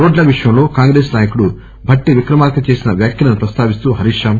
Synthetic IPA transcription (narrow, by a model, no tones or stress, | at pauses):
ɾoːɖlɐʋiʂɐjɐmlo̞ːkaːŋɡɾeːsnaːjɐkuɽu | bʱɐʈːiʋikɾɐmaːɾkɐt͡ʃeːsinɐʋjaːkjɐlɐnupɾɐst̪ʰaːʋist̪uːɦɐɾiʂaːm